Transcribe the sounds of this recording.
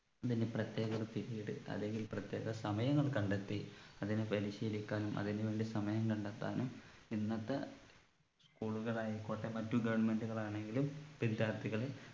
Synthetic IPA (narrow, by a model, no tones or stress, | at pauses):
ɐðineprɐt̪je̞ːɣoɾut̪iɾijiɽɨ̰ɐ̰ðe̞ŋɡilprɐt̪je̞ːɣɐsɐmɐjɐŋːɐɭkɐɳɖet̪ːiɐðinɨpɐɾiɕiːlikʲːaːlumʔɐ̰ðinɨʋe̞ːɳɖisɐmɐjɐmkɐɳɖɐt̪ːa̰ːnuminːɐt̪ːɐ̰ | skuːɭuɣɐɭaːjikoːʈːemɐtːuɡɐʋɐɳme̞nduɣɐɭaːɳe̞ŋɡilumpind̪jaːrt̪ːiɣɐɭe